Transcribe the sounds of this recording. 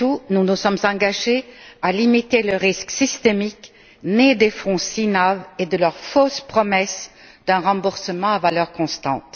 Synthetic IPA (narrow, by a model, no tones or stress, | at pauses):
tununusɔmzɑ̃ɡaʒealimit̪eləʁisksist̪emik | ned̪efɔ̃sinaved̪əlœʁfospχɔmɛs | d̪̥ɛ̃ʁɑ̃buʁsəmɑ̃avalœʁkɔ̃st̪ɑ̰̃t̪